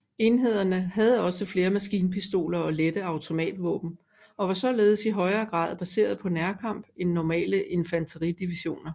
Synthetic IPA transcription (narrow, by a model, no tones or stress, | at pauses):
e̝nɦe̝ð̞̰ˠɐnəɦæð̞̩ˠəɒ̽səfle̝ːɐmæsɡ̥iːnpʰisd̥o̝̰ːlɐɒ̽led̥əɑ̈ʊt͡sʰo̝mɛ̰ːd̥ʋɔ̰ːb̥n̩ | ɒ̽ʋɑ̈sɒ̽le̝ːð̞ˠəsiɦɒ̽ɪɐːɡ̥ʁɑ̰̈ːð̞̩ˠb̥æse̝̰ːɐð̞̩ˠpʰɒ̽næɐkʰɑ̈m̰b̥enːɒmɛ̰ːləʔe̝nfænt͡sʰəʁid̥iʋiɕo̝̰ːnɐ